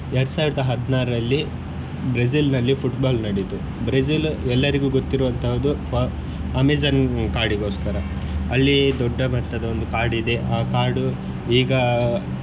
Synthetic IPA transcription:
ɛɽɐsaːʋiɾd̪ɐɦɐd̪ːnaːɾɐɐlːi | bɾɐs̬ilnɐlːipʰuʈbaːlnɐɽit̪u | bɾesilɛlːɐɾiɡuːɡot̪ːiɾʋɐnt̪ʰɐʋɐd̪u | ɐmid͡ʒɐnkaːɾɖiɡo̞ːskɐɾɐ | ɐlːid̪ɔɖːɐmɐʈːɐd̪ɐond̪ukaːɾɖid̪e̞ʔaːkaːɾɖu | iːɡɐ

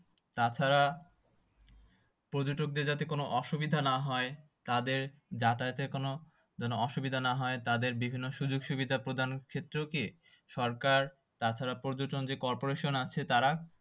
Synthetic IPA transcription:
t̪at͡ɕʰaɾa | pɾod͡ʑoʈok̚d̪eɾd͡ʑat̪ekonoʔɔʃubid̪ʱanaɦɔe | t̪ad̪eɾd͡ʑat̪aet̪ekono | d͡ʑɔnoɔʃubid̪ʱanaɦɔet̪ad̪eɾbibʱinːoʃud͡ʑoɡʃubid̪ʱapɾod̪ʱankʰet̪ːɾeki | ʃɔɾkaɾ | t̪at͡ɕʰaɾapɾod͡ʑoʈond͡ʑekɔɾpoɾeʃonat͡ɕʰet̪aɾa

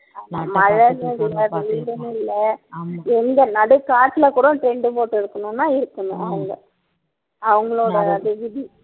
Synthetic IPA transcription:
mɐɻɐʋeðɪlːɐʋiːɽɐnɪlːɐ | ɛnd̪ɐnɐɽɯkaːʈːlɐkuːɽɐ̃ʈɾɛɳɖɯpoːʈːɪɾɯkːɐnʊ̃nːãːɪɾɯkːɐnʊ̰̃ʔɐ̰ʋɐŋɡɐ | ɐʋɐŋɡɐɭoːɽɐːðɯʋɪði

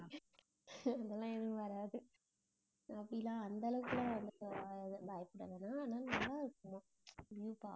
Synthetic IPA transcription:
ɐðɐlãːɛnɯ̃ʋɐɾaːðɯ | ɐpːɐɽijlãːɐnd̪ɐlɐʋɯkːɯlɐ̃ʋɐnd̪ɯðɯbaːjɐpɯɽɐðɛnaːnaːnamːaːɪɾɯkːɯmã | bjuːpa̰ː

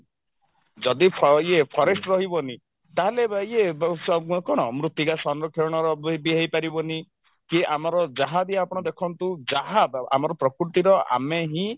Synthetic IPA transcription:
d͡ʒɔd̪ipʰjepʰɔɾesʈɾɔɦibɔni | t̪aɦeleie | kɔɽ̃ɔmɾut̪iɡasɔnɾɔkʰeɾɽ̃ɔɾɔbiɦajpaɾibɔni | kiʔamɔɾɔd͡ʒaɦad̪iapɔɽ̃ɔd̪ekʰɔnt̪ud͡ʒaɦad̪a̰mɔɾɔpɾɔkɾut̪iɾɔa̰meɦĩ

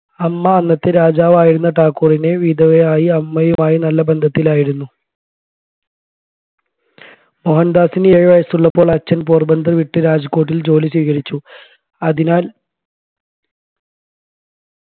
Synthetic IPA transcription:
ɐmːɐːnːɐt̪ːeɾaːd͡ʑaːʋaːjiɽunːɐʈaːkːuːrineʋid̪ɐʋeaːjiɐmːɐjumaːjinɐlːɐbe̞nd̪ʱɐt̪ːilaːjiɾunːu | moɦɐnd̪aːsineːɻʋɐjɐsuɭːɐpːo̞ːɭɐt͡ɕːɐnpoːrbɐnd̪ʱrʋiʈːɨɾaːd͡ʑɐkːo̞ːʈ̬ːild͡ʑo̞ːliɕwiːkɐɾit͡ɕːu | ɐðinaːl

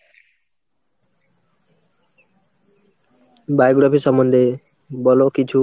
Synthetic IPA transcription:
bajɡɽapʰeʃɔmːond̪ʱe | bɔlokit͡ɕʰu

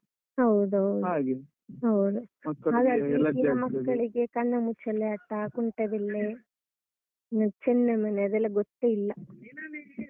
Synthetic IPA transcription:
ɦɐwd̪uɦɐwduaɡ | ɦɐwd̪umɐkːaːd̪ɐiɐmɐkːɐɭiɡekɐɳːɐmut͡ʃɐlːeɐʈːɐkuɳʈed̪ilːe | t͡ʃɛnːɐmɐneɐd̪ɛlːɐɡot̪ːeilːɐ

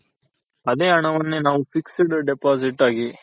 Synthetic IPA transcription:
ɐd̪eːɐɳɐʋɐnːenaːʋufiksiɽɯɖepaːs̬iʈːaːɡi

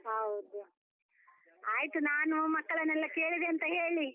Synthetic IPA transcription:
ɦɐwud̪u | aːjit̪unaːnumɐkːɐɭɐnːɛlːɐke̞ːɭid̪eɐnt̪ɐɦe̞ːɭi

